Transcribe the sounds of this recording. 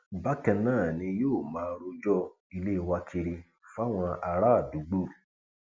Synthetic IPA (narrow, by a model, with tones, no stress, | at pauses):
ba˦kɛ˧nãː˦˨nĩ˧joː˦˨mãː˨˦ɾo˧d͡ʒɔ˦ | i˧le˦˧wa˧kʰi˧ɾi˧ | fa˦w̃ɔ̃˧a˧ɾa˦˨du˨˦ɡ͡bo˦˨